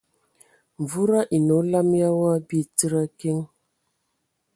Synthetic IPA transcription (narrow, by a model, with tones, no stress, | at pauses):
ɱ˨vu˦ɾa˦ʔi˨no˨˦la˦mja˦wa˦bi˦˨ti˦ɾa˦ke˦ŋ